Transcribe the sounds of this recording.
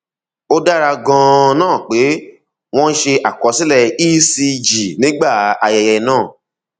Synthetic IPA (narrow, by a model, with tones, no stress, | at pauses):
o˦da˦ɾa˧ɡã˧nãː˦˨k͡pe˨˦ | w̃ɔ̃˦n̩˦ʃe˧ʔa˨kɔ˨˦si˨˦lɛ˦˨iː˦si˧d͡ʒi˨nĩ˦ɡ͡ba˦˨a˧jɛ˧jɛ˧nãː˦˨